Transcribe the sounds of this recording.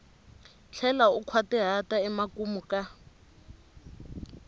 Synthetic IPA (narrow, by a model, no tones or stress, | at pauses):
t͡ɬʰɛlaʊkʰwatɛɦataɛmakumuka